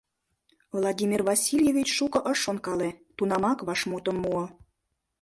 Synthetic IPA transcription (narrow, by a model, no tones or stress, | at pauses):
vlˠɑdʲimʲirvɑsʲilʲjevʲit͡ɕʃukɤ̆ʔəʃonkɑlet̪unɑmɑkβɑʃmut̪ə̆mːuŏ